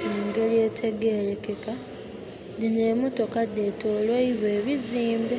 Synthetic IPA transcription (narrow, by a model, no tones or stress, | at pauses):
aŋɡe̞ljeːtʰe̞ɡe̞ːɾekeka | dineːmutokadːe̞toːlweiβwe̞ːβiziːmbe